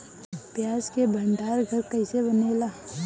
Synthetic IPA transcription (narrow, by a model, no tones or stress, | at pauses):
pjaːzkebʱə̃ɳɖaːɾɡʱəɾkəɪsebəneːlaː